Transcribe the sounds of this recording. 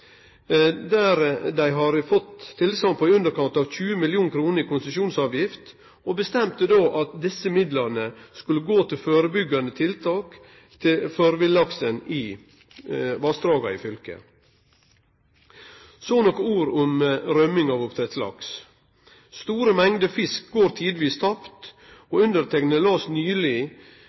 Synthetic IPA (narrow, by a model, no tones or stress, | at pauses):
d̪æːɾd̪æɪɦɑɾfɔt̪ʰːɪlsɑŋpʰɔʉnd̪əɾkʰɑnt̪ɑʋçʉːəmɪljuːnkʰɾuːnəɾɪkʊnsəʃuːnsɑːʋjɪft̪ | obəst̪ɛmt̪əd̪oːʔɑt̪̚d̪ɪsəmɪd̪lɑɾnəskʉləɡoːt̪ʰɪlføːɾəbʏɡɑnət̪ʰɪlt̪ʰɑːk | t̪ʰɪføːɾʋɪlɑksənɪ | ʋɑst̪ɾɑːɡɑɪ̰fʏlkə̰ | soːnɔkːəuːɾʊmɾœmɪŋɑʋʊpt̪ʰɾɛt̪slɑ̰ks | st̪uːɾəmɛŋd̪əfɪsk̚ɡoːɾt̪ʰiːd̪ʋiːst̪ʰɑpt̪ | oʉnd̪əɾt̪ʰɛknəlɑːsnyːlɪ